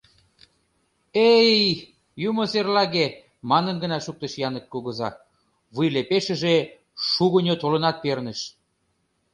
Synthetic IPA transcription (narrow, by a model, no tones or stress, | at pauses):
ej | jumoserlɑɣe | mɑnənɡə̆nɑʃuk̚t̪ə̆ʃjɑnə̆k̚kuɣɤ̆zɑ | βujlepeʃə̆ʒe | ʃuɣənʲot̪olə̆nɑt̪̚pernə̆ʃ